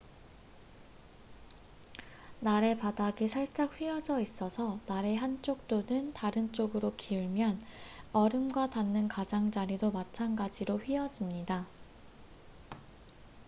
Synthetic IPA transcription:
naɾepadaɡisʰaɭt͡ɕ͈ak̚ɸwɥiʌd͡ʑʌis͈ʌsʰʌnaɾe̞ɦant͡ɕ͈ok̚t͈onɯntaɾɯnt͡ɕ͈oɡɯɾokʰiuɭmjʌnʌɾɯmɡwatanːɯnkad͡ʑaŋd͡ʑaɾidomat͡ɕʰanɡad͡ʑiɾoɸɥiʌd͡ʑimɲida

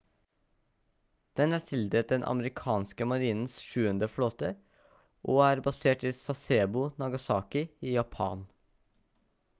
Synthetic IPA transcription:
d̪̥ɛnæːt̪ʰɪld̪eːt̪̚d̪ɛnʔɑ̰məɾɪkʰɑːnskəmɑɾiːnn̩sʃʉːənd̪əfɽoːt̪ə | ʔoːæːɾbɑseːʈiːsɑseːbʊnɑɡɑsɑ̰ːkɪiːjɑpʰɑ̰ːn

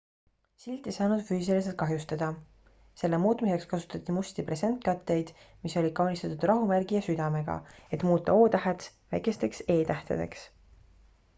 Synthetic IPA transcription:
silʲt̪ːˑejsɑːnud̪̥fyːsilis̬elt̪̚kɑɦjust̪ɑd̪̥ɑ | se̞lːe̞muːt̪ˑmise̞kskɑsu̥t̪ːˑɑt̪ʲːˑimust̪ipre̞se̞nt̪̚kɑt̪ːe̞jd̪̥miso̞lʲikɑwnʲist̪ɑt̪ud̪̥rɑɦumærɡ̥ijɑsyd̪̥ɑme̞ɡ̥ɑ̰e̞t̪muːt̪ːˑɑ̰o̞ːt̪ɑɦet̪svæjke̞st̪e̞kse̞ːt̪æht̪ḛd̪e̞̰ks

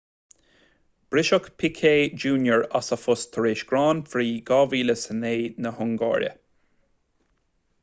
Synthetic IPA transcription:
b̥ɾɪʃɔkpʰɪkʰeːd͡ʒuːnjəɹasəfʊst̪ʰəɹeːʃɡ̥ɾɑːnfɾiːɡɑːviːləsəneːnəhʊŋɡɑ̰ːɾjə̰

